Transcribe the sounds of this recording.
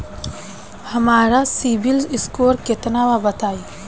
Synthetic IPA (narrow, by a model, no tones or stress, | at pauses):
hɐmaːɾasibɪlzɪskoːɾket̪naːʋabət̪aːi